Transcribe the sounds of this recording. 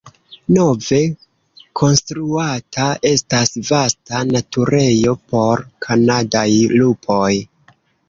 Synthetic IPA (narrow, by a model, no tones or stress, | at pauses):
no̞ve̞ | kʰo̞nstɾuatʰaʔe̞stasvastanatuɾe̞jo̞po̞ɾkʰanadajlupʰo̞j